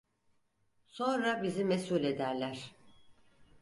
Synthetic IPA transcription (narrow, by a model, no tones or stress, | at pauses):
sõ̞nɾabizimesulʲe̞d̪æɾlʲæɾ̥